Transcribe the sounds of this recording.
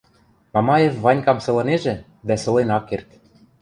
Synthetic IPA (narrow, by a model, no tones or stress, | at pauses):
mɑmɑjefvɑnʲkɑmsɤ̆lɤ̆neʒĕ | d̪æsɤ̆lenɑkːert̪